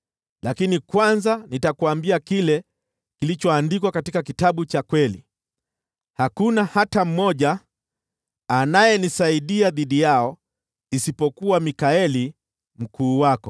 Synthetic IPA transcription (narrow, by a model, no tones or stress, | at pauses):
lakinikwanzanitakuambiakilɛ | kilit͡ʃɔandikwakatikakitaɓut͡ʃakwɛlḭ | hakunahatam̩mɔʄa | najɛnisaiɗiaðiɗijaɔ | isipɔkuwamikaɛli | m̩kʰuːwakɔ